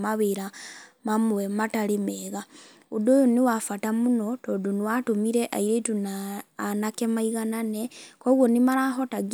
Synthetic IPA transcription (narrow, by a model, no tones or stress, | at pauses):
maβeɾamamuwemataɾemeːɣa | udojoniwafatamunotoːduniwatomiɾeʔaiɾetunaːnakemaiɣananekoɣwonimaɾaɦotaɡ